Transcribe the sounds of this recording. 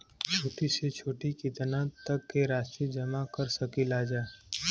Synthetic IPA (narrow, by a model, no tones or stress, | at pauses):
t͡ʃʰoːʈiset͡ʃʰoːʈikid̪ɐnãt̪ɐkːeɾaːst̪id͡ʒɐmakɐɾsɐkilaːd͡ʒaː